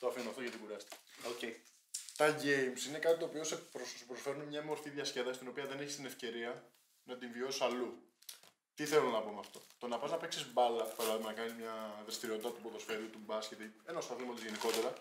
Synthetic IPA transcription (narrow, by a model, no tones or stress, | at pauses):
t̪oɐfinunɐft̪oʝɐt̪ikuɾɐst̪i̥kɐ̥ocei | t̪ɐʝe̞jmsine̞kɐt̪it̪o̞ːpio̞sepɾosspɾo̞sfe̞ɾunemɲɐmo̞ɾfiðʝɐsce̞ðɐsi̥st̪ino̞piɐðe̞neçist̪ine̞fce̞ɾiɐ | nɐt̪iɱvio̞si̥sɐlu | t̪iθelonɐpo̞meɐft̪o̞̥t̪o̞nɐpɐznɐpe̞ksizbɐlɐpɐɾɐðimɐnɐkɐnizmɲɐðɾest̪iɾio̞t̪it̪ɐt̪upo̞ðo̞sfe̞ɾut̪ubɐscet̪ienosθɐθilmot̪izʝe̞niko̞t̪e̞ɾɐ